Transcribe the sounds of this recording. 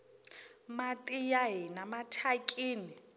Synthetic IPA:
matʼijaɦɪnamatʰakʼiːni

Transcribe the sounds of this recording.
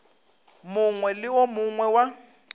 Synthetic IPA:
mʊŋwɛlɪwomʊŋwɛwa

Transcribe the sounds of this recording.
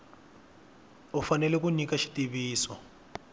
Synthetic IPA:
ufanɛlɛk̬unikaʃi̥tiβiːsɔ

